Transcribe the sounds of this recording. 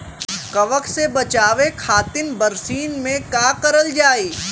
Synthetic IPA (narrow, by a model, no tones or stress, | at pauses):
kɐʋəksebɐt͡ʃaːʋekʰaːt̪ɪnbɐɾsiːnmẽkaːqɐɾəld͡ʒaːiː